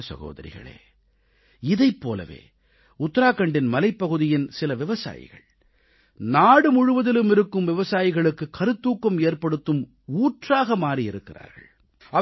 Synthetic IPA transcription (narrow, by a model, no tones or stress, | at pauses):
sɐ̰ɣo̰ːðɐ̰ɾɪ̰ɣɐ̰ɭḛː | ɪðɐɪpːo̰ːlɐ̰ʋḛː | ʊt̪ːɐɾaːkːɐɳɖɪnmɐlɐɪpːɐɣɯðɪjɪnsɪlɐʋɪʋɐsa̰ːjɪ̰ɣɐ̰ɭ | naːɽɯmʊɻʊʋɐðɪlɯmɪɾɯkːɯmʋɪʋɐsaːjɪɣɐɭɯkːɯkːɐɾɯt̪ːuːkːɐmeːɾpɐɽɯt̪ːɯm | uːʈraːɣɐmaːriɪɾɯkːɪra̰ːɾɣɐ̰ɭ | ɐ